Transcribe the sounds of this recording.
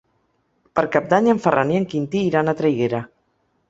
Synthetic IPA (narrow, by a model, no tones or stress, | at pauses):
pəɾkap̚d̪aɲeɱfərʔanieŋkint̪iːɾanat̪ɾejɣeɾa